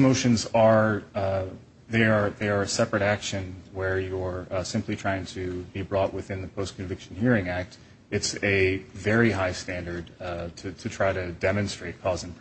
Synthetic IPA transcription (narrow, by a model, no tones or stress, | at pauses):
moʊʃɨ̃nzə˞ | ðeə˞ðəə˞ɨsɛpɹɨɾækʃɨ̃nwə˞jə˞sɪ̃mplitʰɹ̥aɪɪ̃ŋtʰɨbibɹɔʔwɨθɪ̃nðɨpʰoʊskʰɨ̃ɱvɪkʃɨ̃n̩hiɹɪ̃ŋæk̚t | ɨtsɨvɛɹiɦaɪstæ̃ndə˞d̚tʰɨɾɨtʰɹ̥aɪɾɨdɛmɨ̃nstɹ̥eɪt̚kʰɔzɨ̃n̩ʰ